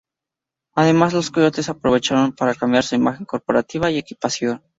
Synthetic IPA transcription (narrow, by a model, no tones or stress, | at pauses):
aðe̞mazlo̞skojo̞t̪e̞sapɾo̞βe̞t͡ʃaɾo̞mpaɾakambjaɾsuimaxe̞ŋko̞ɾpo̞ɾat̪iβaie̞kipasjo̞n